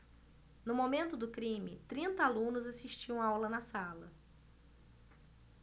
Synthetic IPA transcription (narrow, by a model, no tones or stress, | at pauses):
nʊmomẽnt̪ʊd̪ʊkɾĩmɪ̰t̪ɾĩnt̪ɐalũnʊzasiʃt͡ʃiɐ̃w̃aawlɐnɐsalɐ̰